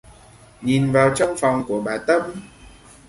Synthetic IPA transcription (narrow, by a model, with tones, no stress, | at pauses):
ɲi˨˩nvaː˨˩wt͡ɕɔ˧wŋ͡mfɔ˨˩wŋ͡mku˧˩əɓaː˨˩t̪ə˦˧˥m̚